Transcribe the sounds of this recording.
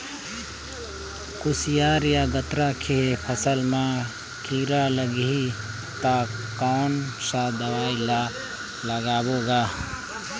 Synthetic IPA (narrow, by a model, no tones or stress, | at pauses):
kusijaːɾjaɡət̪ɾakʰepʰəsəlma | kʰiɾaləɡɦi | t̪akaːnsãd̪əwaila | ləɡaːboɡa